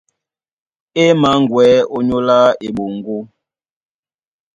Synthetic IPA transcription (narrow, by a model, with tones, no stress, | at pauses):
e˦ma˨˦ŋ̩˨ɡwɛː˨˦o˦ɲo˦la˦e˨ɓo˨ŋ̩˨ɡo˦